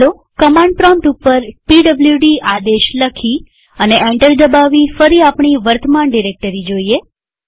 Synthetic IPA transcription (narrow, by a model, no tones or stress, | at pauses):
lo | kəmãɳɖ̚pɾɔ̃mʈupːəɾpiɖəbljuɖiʔad̪eʃləkʰi | əneʔẽɳʈəɾd̪əbaʋifəɾiapɳiʋəɾt̪ʰəmanɖiɾek̚ʈəɾid͡ʒoie